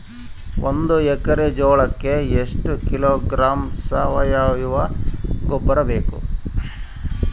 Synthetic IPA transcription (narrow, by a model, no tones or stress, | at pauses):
ʔond̪uɛkɐɾed͡ʒoːɭɐkːe̞eʂʈukiloːɡɾaːmsaːʋɐjaʋuʋɐɡobːɐɾɐbe̞ːkṵ